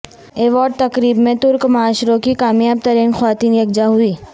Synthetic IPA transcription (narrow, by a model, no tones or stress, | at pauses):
eːʋaːɾɖ̚t̪ɐkɾiːbmẽt̪ʊɾkmaaːʃɾõkikaːmjaːb̚t̪ɐɾiːnxʋaːt̪iːnjɐɡ̚d͡ʒaɦʊiː